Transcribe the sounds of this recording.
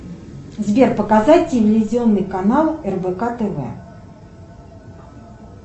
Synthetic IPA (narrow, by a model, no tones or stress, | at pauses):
zbʲerpəkazat̚ʲtʲɪvʲɪlʲɪzʲɪo̞nːɨjkɐnalˠɛrbəkat̪ɛvɛ̰